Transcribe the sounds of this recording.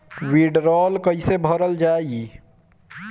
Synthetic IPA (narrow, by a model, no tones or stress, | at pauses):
wiɖɾɔlkəjsebʱəɾəld͡ʒai